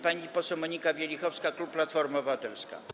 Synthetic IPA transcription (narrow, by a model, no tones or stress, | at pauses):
paɲipɔsɛwmɔɲikabʲjɛlʲixɔfskakupːlat̪fɔɾmabɘvat̪ɛlska̰